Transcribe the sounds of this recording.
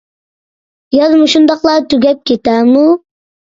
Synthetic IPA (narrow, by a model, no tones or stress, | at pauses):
jɑzmuʃund̪ɑqlˠɑt̪ʰyɡʲɛp̚kʲʰet̪ɛmu